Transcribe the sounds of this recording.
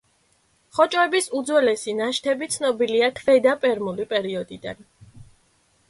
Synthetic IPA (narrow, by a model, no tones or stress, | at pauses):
χɔt͡ʃʼwɛbisud̪zwɛlɛsinaʃt̪ʰɛbit̪sʰnɔbiliakʰvɛd̪apʼɛɾmulipʼɛɾiɔd̪id̪a̰n